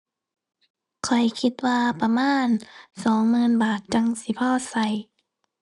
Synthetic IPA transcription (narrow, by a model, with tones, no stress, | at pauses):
kʰɔ˨˩jkʰi˧t̪̚waː˧pa˧maː˧˥˨nsɔː˨˦ŋmɯː˧˥˨nbaː˨˩t̪̚t͡ɕa˧ŋsi˧˦pʰɔː˧˥˨sa˧˩j